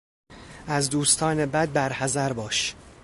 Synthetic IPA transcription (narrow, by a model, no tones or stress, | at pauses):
æzd̪uːst̪ʰɒːnebæd̪̚bæɾhæzæɾbɒːʃ